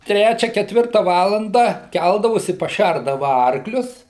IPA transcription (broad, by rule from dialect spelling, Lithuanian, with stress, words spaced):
ˈtʲrʲæːt͡ʃʲɛ kʲɛˈtʲʋʲɪrtɐ ˈʋɑːlˠɐndɑː ˈkʲælˠdɐʋoːsʲɪ pɐˈʃʲærdɐʋɐ ˈɐrklʲʊs